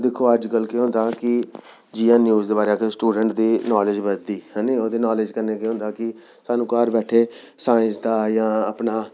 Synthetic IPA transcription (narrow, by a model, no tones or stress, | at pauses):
d̪ɪkʰːoːəd͡ʒkəlkeɦõnd̪aːkɪ | d͡ʒiːãːnjuːzd̪eːbaːɾeakesʈuːɖəɳʈd̪iːnɔːlɪd͡ʒbəd̪iːhɛ̃ːiod̪eːnɔːlɪd͡ʒkəɾneːkeõːnd̪aːkɪ | saːnũːkaːɾbɛːʈʰeː | saːɪ̃nsd̪aːjãːəpnaː